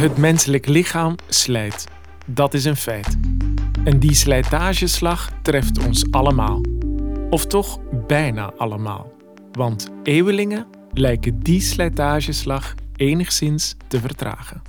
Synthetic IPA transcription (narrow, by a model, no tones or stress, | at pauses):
ɦətmɛnsələklɪχaːmslɛjt | dɑtɪs̬ənfɛjt | ɛndislɛjtaːʒəslɑχtrɛftɔnsɑləma̰ːlˠɔftɔχbɛjna̰ːʔɑləma̰ːlˠ | ʋɑnteːwəlɪŋə | lɛjkəndislɛjtaːʒəslɑχeːnəχsɪnstəvərtra̰ːχən